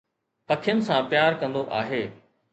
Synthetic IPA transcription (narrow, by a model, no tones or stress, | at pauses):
pɐkʰɪjənɪ̆sãpjaːɾkɐ̃nd̪oʔa̰ːɦeː